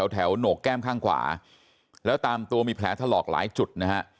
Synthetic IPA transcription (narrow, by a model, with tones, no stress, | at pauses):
ɛ˩˦wt̪ʰɛ˩˦wnoː˨˩k̚kːɛː˥˩mkʰaː˥˩ŋkʰwa̰ː˩˦ | lɛː˦˥wt̪aː˧mt̪u˧ɐmiː˧pʰlɛː˩˦t̪ʰaː˥˧˩lɔː˨˩k̚la̰ː˩˦jt͡ɕu˨˩t̪̚na˦˥ka˦˥ʔ